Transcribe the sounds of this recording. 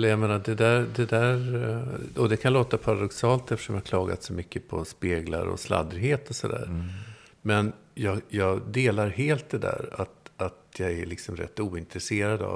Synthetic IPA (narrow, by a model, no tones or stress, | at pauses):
ɛlːəjameːnad̪ɛd̪æɾd̪ɛd̪æɾ | ɔd̪ɛkʰanloːt̪apʰaɾad̪ɔksɑːlt̪ɛft̪əʂɔmjakʰlɑːɡa̰t̪sɔmʏkːəpʰɔspeːɡla̰ɾɔ̰sla̰d̪ɾɪɦeːt̪ɔsɔd̪æ̰ːɾ | mɛnjɑːɡjɑːɡd̪eːlaɾɦeːlt̪̚d̪ɛd̪æ̰ːɾat̪at̪jɑɡɛɭɪksɔmɾɛ̰t̪ːuːɪnt̪ɾɛseːɾad̪a̰